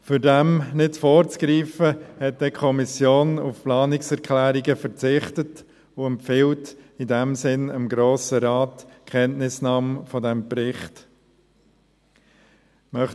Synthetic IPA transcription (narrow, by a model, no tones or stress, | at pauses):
fyɾdɛmnɪtfɔːɾt͡skɾiːfəhɛt̚d̥ɛkʰɔmisjoːnufplɑːnɪksɛɾkʰlæːɾiɡəfəɾt͡sɪχtət | ʊɛmpfɪltidɛmsɪnəmɡɾoːsəɾɑːtkʰχɛntnɪsnɑːmfɔdɛmpɾɪχt | mœχ